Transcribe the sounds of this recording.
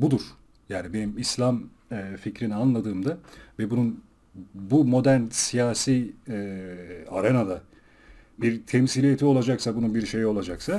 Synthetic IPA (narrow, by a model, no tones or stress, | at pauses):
bud̪uɾ̥ | jaːnibe̞nimislʲamː | ficɾinianlˠad̪ɯːmd̪avɛbunun | bumo̞d̪æɾnsijaːsiːɛ | a̰ɾenad̪a | biɾt̪ʰɛmsilʲijet̪ʰio̞lˠad͡ʒaksabununbiɾʃe̞jo̞lˠad͡ʒaksa